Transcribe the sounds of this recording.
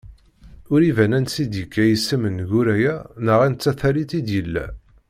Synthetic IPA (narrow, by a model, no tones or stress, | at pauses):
ʊɾivænænsid̪jəkːæjəsːəmənʝuɾæjænəʁint͡sːæθæɾit̪id̪jəlːæ̰